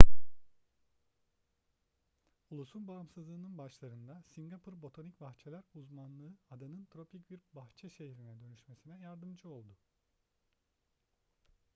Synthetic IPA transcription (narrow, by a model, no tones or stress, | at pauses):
ulˠusunbaɯmsɯzlˠɯːnɯnbaʃlˠaɾɯnd̪asiŋɡapʰuɾbo̞t̪ʰonicbaxt͡ʃʰelʲæɾuzmanlˠɯɯad̪anɯnt̪ʰɾo̞pʰicbiɾbaxt͡ʃʰɛʃe̞ɦiɾinɛd̪ø̞nyʃme̞sinɛjaɾd̪ɯmd͡ʒɯo̞lˠd̪ʊ